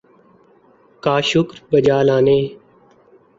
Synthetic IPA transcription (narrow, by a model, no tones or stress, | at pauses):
kaːʃʊkɾbəd͡ʒaːlaːneː